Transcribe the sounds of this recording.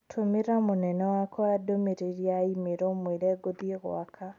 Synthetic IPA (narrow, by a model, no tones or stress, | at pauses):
tʰomeɾamonɛnɛwakɔadomeɾeɾiaimeɾɔmweɾɛːɡoðieɣw̰a̰kʰa